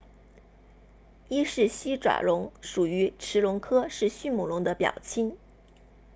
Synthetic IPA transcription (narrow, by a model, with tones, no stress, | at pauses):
i˥ʂɻ̩˥˩ɕi˥ʈ͡ʂwa̰˨˩ɻʊ˧˥ŋʂu˨˩y˧˥ʈ͡ʂʰɻ̩˧˥lʊ˧˥ŋkʰɤ˥ʂɻ̩˥˧ɕy˥˩mu˨˩lʊ˧˥ŋd̪ə˧pjɑ̰˨˩ʊt͡ɕʰi˥n